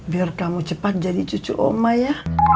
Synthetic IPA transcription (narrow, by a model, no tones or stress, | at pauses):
biarkamut͡ʃəpat̪̚d͡ʒadit͡ʃut͡ʃṵʔo̰maja